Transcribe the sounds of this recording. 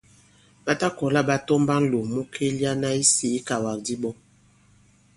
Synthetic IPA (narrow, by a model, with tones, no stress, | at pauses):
ɓa˦ta˦kɔ˨la˦ba˦tɔ˦mba˦n˦lo˨mu˦kʰe˦li˦a˦na˦i˦si˨i˦ka˨wa˨k̚di˦bɔ˦